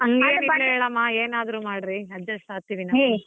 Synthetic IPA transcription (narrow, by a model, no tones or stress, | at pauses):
ɐŋɡeːnileːɭɭaːmːaeːnaːd̪ɾumaːɽɾiɐd͡ʒɐssaːt̪iːʋina